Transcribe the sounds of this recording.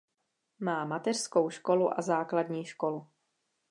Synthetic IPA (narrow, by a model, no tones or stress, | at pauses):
maːmat̪ɛr̥sko̞wʃko̞luʔa̰zaːkladɲiːʃko̞lu